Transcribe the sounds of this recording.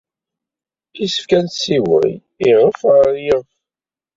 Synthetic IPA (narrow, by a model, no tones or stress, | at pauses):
isə̥fkænt̪siwə̰j | iʁəfʁəjɪ